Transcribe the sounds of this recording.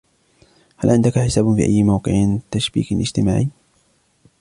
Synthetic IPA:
halʕɪnd̪akaħɪsaːbfḭːʔa̰jːɪmawqɨ̰ʕnt̪aʃbḭːklʔɪ̰d͡ʒt̪ɪmaːʕiː

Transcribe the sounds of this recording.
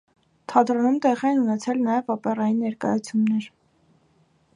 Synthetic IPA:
t̪ʰɑd̪ɾɔnumt̪ɛʁiɛnunɛt͡sʰɛlnɑjɛvɔpɛrɑjinːɛɾkɑ̰jɑt͡sʰjumnɛɾ

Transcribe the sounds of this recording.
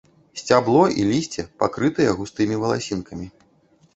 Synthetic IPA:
sʲt͡sʲablˠɔilʲisʲt͡sʲɛpakɾɨt̪ɨjɛɣust̪ɨmʲivɐlˠasʲinkɐmʲi

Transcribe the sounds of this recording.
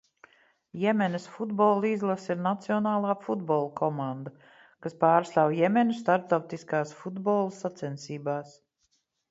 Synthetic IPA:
jɛmʲɛnəsfud̪bɔːlˠizlˠasiɾnat̪siɔnaːlˠaːfud̪bɔːlˠkʰɔmand̪a | kaspaːɾst̪aːwjɛmʲɛnʲust̪aɾp̚t̪awt̪iskaːsfud̪bɔːlˠsat̪sɛnsiːbaːs

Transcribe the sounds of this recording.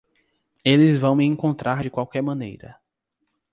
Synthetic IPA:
elɪzvɐ̃w̃mɪẽŋkõnt̪ɾʔaɾd͡ʒɪkwawkɛɾmɐ̃nḛjɾɐ̰

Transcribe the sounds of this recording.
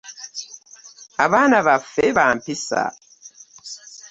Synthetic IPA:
aβanaβafeβampisa̰

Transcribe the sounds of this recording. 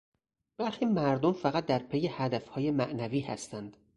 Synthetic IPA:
b̥æɾxiːmæɾd̪omfæɣæt̪̚d̪æɾpʰejehæd̪æfhɒːjemæʔnæviːhæ̰st̪ʰænd̪̥

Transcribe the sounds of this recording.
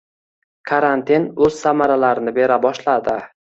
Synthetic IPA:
kʰaɾant̪ʰinɵz̥samaɾalaɾɪnɪbe̞ɾabɒʃlad̪ɪ

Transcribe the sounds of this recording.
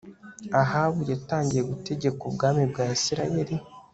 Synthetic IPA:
aɦaːβujataːɲɟijeɡute̞ɟe̞kobɡaːmibɡaːisiɾaje̞ɾi

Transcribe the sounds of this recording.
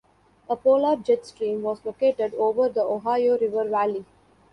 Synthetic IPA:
əpoːlaːɾd͡ʒɛʈsʈɾĩːmʋɔːzloːkeːʈeɖoːʋəɾd̪əoɦaːɪoːɾɪʋəɾʋæli

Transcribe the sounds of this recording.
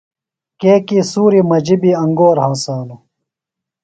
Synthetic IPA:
keːkiːsuːɾimɐd͡ʑibiɐŋɡoːɾɦaːsaːlu

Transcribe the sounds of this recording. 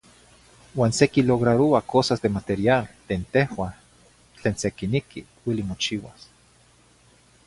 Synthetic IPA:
waːnsekiloɣɾaɾoakʰosazd̪emat̪eɾialt̪eːnt̪ehwa | t͡ɬeːnsekinikḭ | wilimot͡ʃiwas

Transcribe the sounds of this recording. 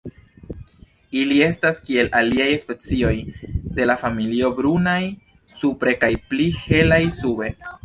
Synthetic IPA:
ilie̞staskie̞lʔaliajspe̞t͡sio̞jde̞lafamilio̞bɾunaj | supɾe̞kajplihe̞lajsube̞

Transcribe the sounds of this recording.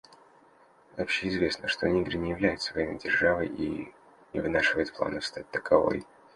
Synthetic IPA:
ɐpɕːeɪzvʲe̞snəʂt̪onʲiɡɾʲɪnʲɪjɪvlʲæjɪt̪səvɐinɨjʲdʲɪrʐavɨji | nʲɪ̰vɨnaʂɨvəjɪt̪̚plˠa̰nəfst̪at̚ʲt̪ə̥kɐvo̞̰j

